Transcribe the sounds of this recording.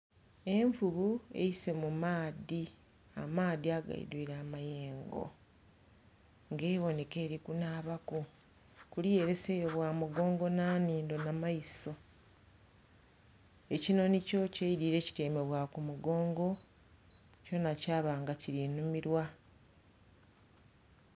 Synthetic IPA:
e̞ɱvuβue̞̰jise̞mumaːði | a̰maːðiaɡa̰ḭdwiːɾaːmaje̞ːŋɡo̞̰ | ŋɡeβo̞ne̞ke̞ːɾikunaːβako | kulije̞ɾe̞sejoβwaːmuɡo̞ːŋɡo̞naːniːndo̞namajiso̞ | e̞cino̞nico̞cejidiːɾe̞ːci̥teːme̞βwakumuɡo̞ːŋɡo̞ | co̞nacaːβaːŋɡaciɾinumiɾwa

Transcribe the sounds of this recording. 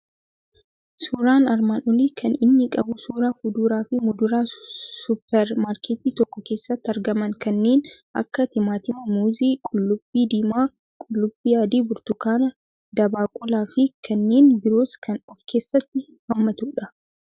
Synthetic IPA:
suːɾaːnɐɾmanɔliːkʰɐnɪnːɪkʼɐbʊsuːɾaːhʊd̪uːɾaːfɪmʊd̪ʊɾaːsʊpːɛɾmaːɾkeːt̪iːt̪ɔkːɔke̞ːsːɐt̪ːɐɾɡɐmɐŋkɐnːe̞ːnʔɐ̰kːɐt̪ɪmaːt̪ɪmɐmuːziːkʼʊlːʊb̥ːiːd̪iːmaː | kʼʊlːʊbːiːjaːd̪iːbʊɾt̪ʊkaːnɐ | d̪ɐbaːkʼʊlaːfɪkʰɐnːe̞ːnbɪɾoːskʰɐnɔfkʰe̞ːsːɐt̪ːɪ | hɐmːɐt̪uːᶑɐ

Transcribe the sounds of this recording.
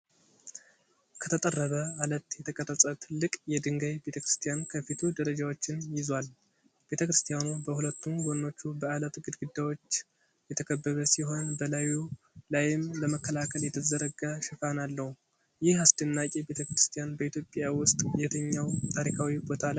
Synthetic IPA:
kʰət̪ʰət̪ʼərːəβəalət̪jɛt̪ʰəkʼət̪ʼəsʼət̪ʰɨlːɨkʼjɛd̪ɨŋɡajbe̞t̪ʰəkɾɨst̪ʰijankʰəfit̪ʰud̪əɾəd͡ʒawo̞t͡ʃːɪnjɪzwal | b̥e̞t̪ʰəkɾɨst̪ʰijanubəhulət̪ʰːunɡonnːo̞t͡ʃːubəalət̪ɡɨd̪ɡɨd̪ːawo̞t͡ʃː | jɛt̪ʰəkʰəbːəβəsiɦo̞nbəlaju | lajɪmləməkːəlakʰəljɛt̪ʰəzəɾəɡaʃɪfanalːəhu | jɪhasd̪ənːakʼebe̞t̪ʰəkɾɨst̪ʰijanbəit̪ʰjo̞pʼjawʊst̪ʼjɛt̪ʰəɲːawt̪ʰaɾikʰawibo̞t̪ʰalaj

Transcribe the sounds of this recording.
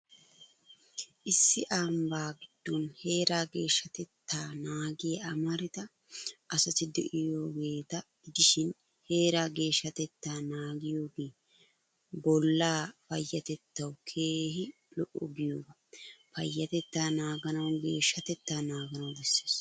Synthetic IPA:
ʔɪsːɪʔambaːɡɪd̪̥ːonhe̞ːɾaːɡe̞ːʃːɐt̪ɛt̪ːaːnaːɡɪjɐʔɐmɐɾɪt̪ɐ | ʔɐsɐt̪ɪd̪ɛʔɪjoːɡe̞ːt̪ɐ̥ | ɪd̪ɪʃɪn | he̞ːɾaːɡe̞ːʃːɐt̪ɛt̪ːaːnaːɡɪjo̞ːɡeː | bɔlːaːpɐjːɐt̪ɛt̪ːɐwkʰeːɦɪ | lɔʔɔɡɪjoːɡɐ | pɐjːɐt̪ɛt̪ːaːnaːɡɐnɐwɡe̞ːʃːɐt̪ɛt̪ːaːnaːɡɐnɐwd̪ɛsːe̥ːs

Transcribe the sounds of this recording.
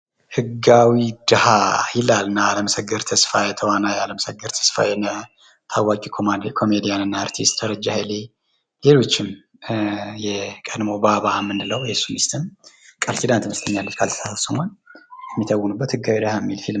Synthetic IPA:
hɨɡawid̪ɨhajɪlalːɨnːaːləməsəɡːɨɾt̪ʰəsfajɛt̪ʰəwanajaləməsəɡːɨɾt̪ʰə̥sfa̰jɛnə | t̪ʰawːakʼikʰomandkʰo̞med̪ijanɨnːaːɾt̪ʰist̪ːəɾəd͡ʒːaheli | le̞lo̞t͡ʃːɪm | jɛkʼəd̪mo̞baβamːɨnd̪ɨləwjɛsːumist̪ʰɨm | kʼəɾt̪id̪ant̪məst̪ʰəɲːalːɨt͡ʃkʰalt̪ʰə̥sat̪səmanjɛmːit̪ʰəwːʊnubːət̪hɨɡːawid̪ɨhajɛmːilfil

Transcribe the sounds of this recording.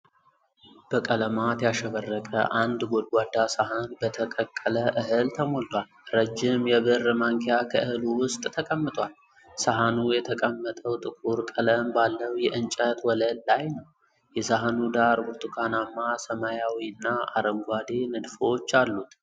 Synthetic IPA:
b̥əkʼələmat̪jaʃəβərːəkʼə̰ʔand̪ɡʷod̪ɡʷwad̪ːasaɦanbət̪ʰəkʼəkʼːələʔɨɦɨlt̪ʰəmo̞lt̪ʰwalɾəd͡ʒːɪmjɛβɨrːmaŋkʰejakʰə̰ʔɨhɨluwʊst̪ʼt̪ʰəkʼəmːɨt̪ʼwal | saɦanujɛt̪ʰəkʼəmːət̪ʼəwt̪ʼɨkʼuɾkʼələmbalːəwjɛʔɨnt͡ʃʼət̪wɔləlːajnəw | jɛsaɦanud̪aɾbʊɾt̪ʰʼukʰanamːasəmajawiɨnːaa̰ɾəŋɡʷad̪enɨd̪fo̞t͡ʃːalːut̪

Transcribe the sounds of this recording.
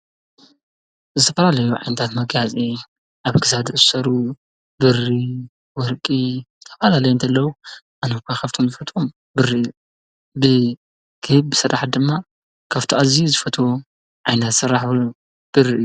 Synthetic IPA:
zɨt̪ʰɐfɐlalɐjuʕa̰jnɐt̪ʰat̪mɐɡjat͡sʼi | ʔaβkʰɨsad̪ɨʔɨzɨsɐɾu | bɨri | wɔɾkʼizɨt̪ʰɐ̥fɐlalɐjont̪ʰɐlːɐwuʔanɐkʷʰakʰɐft̪ʰomzɨfɐt̪ʼom | bɨriʔɨju | bɨ | kʰɨhɨβbɨsɨɾʔaħt̪̚d̪ɨmːa | kʰɐft̪ʰoʔazizɨfɐt̪ʰo | ʕajnɐt̪sɨɾːaħ | b̥ɨrːiɨju

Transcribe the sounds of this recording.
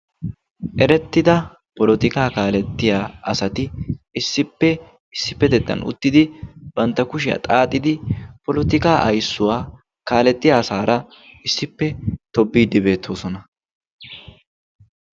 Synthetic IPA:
ʔɛɾɛt̪ːɪd̪ɐ | pɔlɔt̪ɪkaːkaːlɛt̪ːɪjaːɐsɐt̪ɪɪsːɪpːɛ | ɪsːɪpːɛd̪ɛt̪ːɐ̰nʔʊ̰t̪ːɪd̪ɪbɐnt̪ːɐkʊʃ̬ɪja̰t̪ʼaːt̪ʼːɪd̪ɪpɔlɔt̪ɪkaːʔɐjsːʊwaː | kaːlɛt̪ːɪjaːsaːɾɐ | ɪsːɪpːɛt̪ɔbːiːd̪ɪbe̞ːt̪ʰːo̞ːsɔnɐ

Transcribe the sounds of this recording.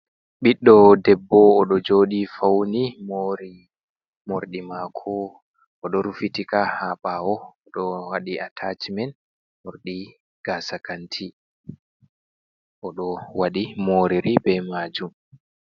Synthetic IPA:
ɓiɗːɔdɛbːɔːɗɔd͡ʒoːɗifawnimoɾi | moɾɗimakʰɔ | ɔɗɔɾufitikahaɓawɔɔɗɔwaɗiatʰat͡ʃimɛn | moɾɗi | ɡ̥aːsakantʰi | ʔɔɗɔwaɗimoːɾiɾibɛmaːd͡ʒum

